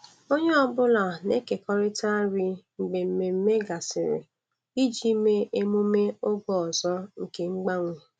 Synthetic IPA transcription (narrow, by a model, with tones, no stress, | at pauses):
o˦ɲe˦ɔ˦bʊ˦la˨ne˦ke˨kɔ˦ɾɪ˦ta˦ɾi˦ŋ͡m̩˨ɡ͡be˨m̩˨me˨m̩˦me˦ɡa˨sɪ˨ɾɪ̰˨ | i˦d͡ʒi˦me˦e˦mo˦me˦ʊ˦ɡɔ˦ɔ˨zɔ˦ŋ̩˨ke˦ŋ͡m̩˦ɡ͡ba˦ŋʷe˨